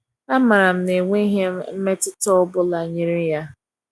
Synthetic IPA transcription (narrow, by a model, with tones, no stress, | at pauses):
a˦ma˨ɾa˨m̩˦ne˨ŋʷe˦ɦe˦m̩˦me˦tɪ˦tɔ˦bʊ˦la˨ɲi˦ɾi˦ja˦